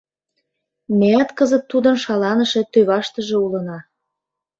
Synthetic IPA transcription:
mejæt̪kɤzə̆t̪ːud̪ə̆nʃɑlɑnə̆ʃĕt̪øβɑʃt̪ə̆ʒĕulɤ̆nɑ

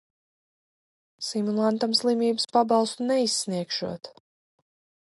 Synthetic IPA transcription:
simulˠant̪amslˠimʲiːbɨspabɑlˠst̪unɛisːniɛkʃṵɔt̪

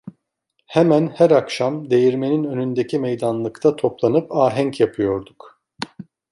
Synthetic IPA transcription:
hemænhæɾakʃamd̪e̞jiɾme̞ninø̞nynd̪ecʰimejd̪anlˠɯkt̪ʰat̪ʰo̞plˠanɯpaːɦæŋcjapʰɯjo̞ɾd̪uk

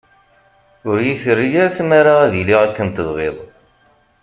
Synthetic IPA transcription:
ʊɾjiθərːijaɾθmaɾaæðiliʁakːənt̪əðʁɪðˤ

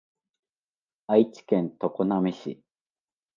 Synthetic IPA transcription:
ait͡ɕi̥kẽ̞nt̪o̞konamʲiɕḭ

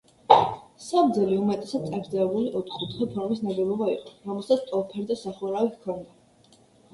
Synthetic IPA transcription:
sab̚d̪zɛliumɛt̪ʼɛsad̪̚ʼaɡɾd̪zɛɛbuliʔɔt̪ʰχut̪ʰχɛpʰɔɾmisnaɡɛlɔbaiqʼɔɾɔmɛlˠsat̪sʰt̪ʼɔpʰɛɾd̪asaχuɾawihkʰɔnd̪a

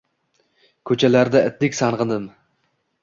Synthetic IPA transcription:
kʲʰɵt͡ʃʰalaɾd̪aɪt̪̚lɪkʲsɑnʁɨnd̪ɨm

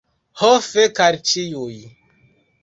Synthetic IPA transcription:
hɔfekaɾt͡ʃijoi

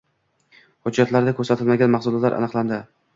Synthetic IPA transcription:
hʊd͡ʒːat̪ʰlaɾd̪akʰɵɾsat̪ʰɪlmaɡʲanmahsʊlˠt̪laɾʔa̰nɨqlˠand̪ɪ

